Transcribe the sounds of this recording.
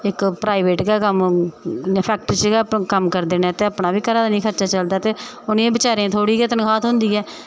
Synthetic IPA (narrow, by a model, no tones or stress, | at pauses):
ɪkpɾaːiʋeːʈɡaːkəm | pʰɛːk̚ʈɾt͡ʃɡaːkəmkəɾd̪eːnɛːt̪eːəpnaːbiːkəɾaːd̪aːnĩːkʰəɾt͡ʃaːt͡ʃəld̪aːt̪eː | ʊnẽːbɪt͡ʃaːɾẽːt̪ʰoːɽiːkɪt̪ənkʰaːt̪ɦʊ̃nd̪iːɛː